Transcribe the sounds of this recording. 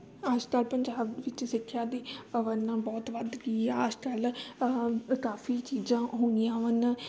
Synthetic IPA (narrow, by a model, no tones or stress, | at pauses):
aːd͡ʒkəlpəɲd͡ʒaːbʋɪt͡ʃsɪkʰːjaːd̪eːəʋənãːbɔːt̪ʋəd̪ɡiːaəd͡ʒkəl | kaːfʰiːt͡ʃiːd͡ʒãːɦoːnijãːʋənː